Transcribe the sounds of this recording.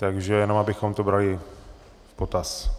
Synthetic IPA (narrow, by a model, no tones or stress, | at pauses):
t̪aɡʒɛjɛno̞mabɪxo̞mt̪obɾalɪ | po̞t̪as